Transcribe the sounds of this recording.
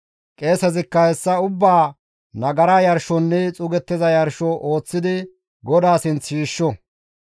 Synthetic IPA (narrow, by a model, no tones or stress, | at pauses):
kʼe̞ːsɐzɪkːɐhɛsːɐʊbːaː | nɐɡɐɾajɐɾʃɔnːɛt͡sʼʊɡɛt̪ːɪzɐjɐɾʃɔʔo̞ːt͡sːɪd̪ɪ | ɡɔd̪aːsɪnt͡sʃiːʃːɔ